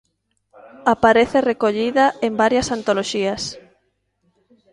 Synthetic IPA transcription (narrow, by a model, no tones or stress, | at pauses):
apaɾeθerekoʎiðaembaɾjɐsant̪oloʃias